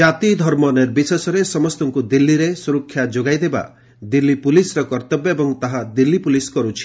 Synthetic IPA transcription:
d͡ʒat̪id̪ʱɔɾmɔneɾbisesɔɾesɔmɔst̪ɔŋkud̪ilːiɾesuɾɔkʰːjad͡ʒoɡajd̪eba̰ | d̪ilːipulisɾɔkɔɾt̪ɔbjɔebɔŋt̪aɦad̪ilːipuliskɔɾut͡ʃʰi̥

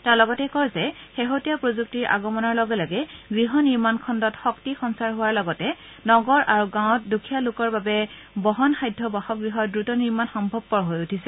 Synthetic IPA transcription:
taɹlɔɡɔtɛkɔɹzɛxeɦotijapɹozuk̚tiɹʔa̰ɡɔmɔnɔɹlɔɡɛlɔɡɛɡɹiɦɔniɹmankʰɔndɔtxɔktixɔnsaɹɦʊwaɹlɔɡɔtɛ | nɔɡɔɹʔaɹuɡãw̃tdukʰijalʊkɔɹbabɛ | bɔɦɔnxajdʱːɔbaxɔk̚ɡɹiɦɔdɹutɔniɹmanxɔmbʱɔb̚pɔɹɔɦojutʰisɛ

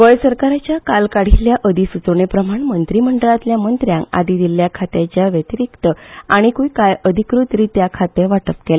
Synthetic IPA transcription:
ʋəjsəɾkaɾat͡ɕjakalkaɽ̤iljaʔəd̪isut͡soɳepɾəm̤aɳmənt̪ɾiməɳɖəlat̪ljamənt̪ɾjãŋka̰d̪id̪iljakʰat̪jat͡ɕjaʋjət̪iɾikt̪əaɽ̃ikujkajəd̪ʱikɾut̪ɾiːt̪jakʰat̪eʋaʈəpkela

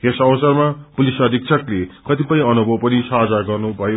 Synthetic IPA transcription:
kesʌwʌsʌrmapulisʌd̪ʱik̚t͡sʰʌklekʌt̪ipʌj̃ʌnubʱʌwpʌnisad͡zaɡʌrnubʱʌjo

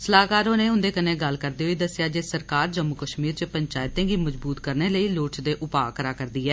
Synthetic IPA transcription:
səlaːkaːɾõːneːʊ̃nd̪eːkənẽːɡəlkəɾd̪eːɦoiːd̪əsɪjaːd͡ʒeːsəɾkaːɾd͡ʒəmːʊkəʃmiːɾt͡ʃəpəɲt͡ʃaːjɪt̪ẽːɡiːməd͡ʒbuːt̪kəɾneːləiːloːʈt͡ʃd̪eːʔʊpaːkəɾaːkəɾd̪iːɛː

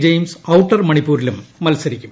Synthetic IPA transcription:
d͡ʑejmsɐwʈːɐrmɐɳipːuːɾilumːɐlsɐɾikʲːum

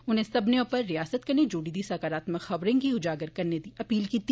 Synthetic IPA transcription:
ʊnɦẽsɐbneõpɐɾːijaːsət̪̚kɐɾned͡ʒuːɽid̪isɐkaɾaːt̪məxɐbɾẽkiʊd͡ʒaːɡəɾkɐɾned̪iːʔɐpiːlkit̪ː

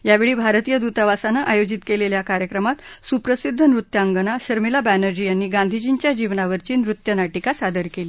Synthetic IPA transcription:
jaʋeɭiːbʱaɾt̪ijəd̪ut̪aʋasanəʔajod͡ʑit̪keleljakaɾjəkɾəmat̪supɾəsid̪ʱːənɾut̪ːjaŋɡənaɕəɾmilabænəɾd͡ʑijanːiːɡãnd̪ʱid͡ʑint͡ɕjad͡ʑiʋnaʋəɾt͡ɕiːnɾut̪jənaʈikasad̪əɾkeli

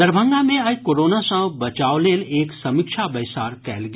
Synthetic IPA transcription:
ɐɾbʱə̃ŋɡamẽajkoːɾoːnasãbɐt͡ʃaːoleːleːksɐmɪkʃʰabɐjsaːɾkɛ̰ːlɡ

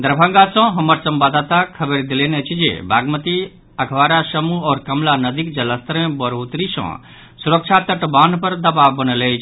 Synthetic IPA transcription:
d̪əɾbʱə̃ŋɡasə̃ɦəməɾsəmbad̪at̪akʰəbəɾd̪ilenet͡ʃʰid͡ʒḛbʱaːɡmət̪i | əkʰʋaːɾasəmuɔːɾkəmlanəd̪ikd͡ʒələst̪əɾẽbəɾɦot̪ɾisɔ̰̃ | suɾək̚t͡ʃʰat̪əʈbanpəɾd̪əbabːənəlet͡ʃʰ

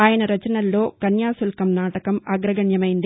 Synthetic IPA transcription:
aːjɐnɐɾɐt͡ʃɐnɐlːoːkɐnjaːsulkɐmnaːʈɐkɐmɐːɡɾɐɡɐɳjɐmɐjind̪i

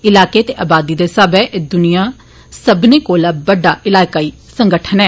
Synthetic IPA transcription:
ɪlaːkeːt̪eːʔaːbaːd̪iːd̪eːsəbɛːʔd̪ʊnɪjaː | səbneːkoːlaːbəɖaːʔɪlaːkaːiː | səŋɡəʈʰənɛː

